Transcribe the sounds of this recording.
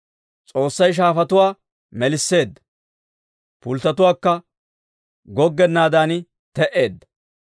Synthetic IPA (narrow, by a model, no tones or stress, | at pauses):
t͡sʼo̞ːsːɐjʃ̬aːfɐt̪ʊwaː | mɛlɪsːe̞ːd̪ːɐ̥ | pʊlt̪ɐt̪ʊwaːkːɐ | ɡɔɡːɛnːaːd̪aːnɪ | t̪ɛʔe̞ːd̪ːɐ̥